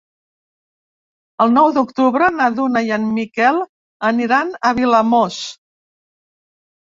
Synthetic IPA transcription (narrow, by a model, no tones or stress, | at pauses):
əlˠnɔwd̪ukt̪uβɾənaðunəjanmikɛlˠ | əniɾanəβiləmos